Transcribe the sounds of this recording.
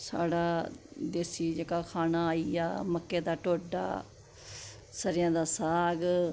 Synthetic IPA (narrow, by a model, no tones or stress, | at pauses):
sa̰ːɽaːd̪eːsiːd͡ʒekaːkʰaːnaːiːa̰ːməkːeːd̪aːʈoːɖa̰ː | səɾɪjãːd̪aːsaːɡ